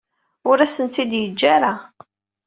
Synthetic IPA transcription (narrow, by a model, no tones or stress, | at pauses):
ʊɾæsənt̪ːid̪jəd͡ʒːaɾa